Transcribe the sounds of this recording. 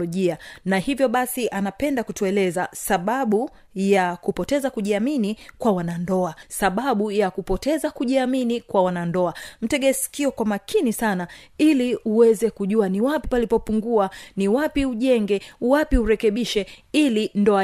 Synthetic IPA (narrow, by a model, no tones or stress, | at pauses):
ɔʄianahivjɔɓasiʔanapɛndakutuɛlɛzasaɓaɓu | jakupɔtɛzakuʄiaminikwawanandɔasaɓaɓujakupɔtɛzakuʄiaminikwawanandɔam̩tɛɠɛsi̥kiɔkwamakʰinisanailiuwɛzɛkuʄuaniwapipalipɔpuŋɡuaniwapiuʄɛŋɡɛwapiuɾɛkɛɓiʃɛilindɔa